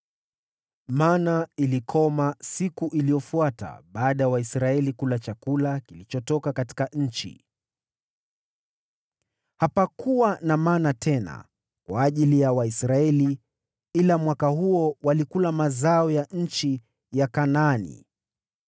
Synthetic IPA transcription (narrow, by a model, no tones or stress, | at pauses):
manailikʰɔmasikuʔilijɔfuata̰ɓaːɗajawaisɾaɛlikulat͡ʃakulakilit͡ʃɔtɔkakati̥kaɲ̩t͡ʃḭ | hapakuwanamaːnatʰɛna̰ | kwaːʄilijawaisɾaɛli | ilamwakahuɔwalikulamazaɔjaɲ̩t͡ʃi | jakanaanḭ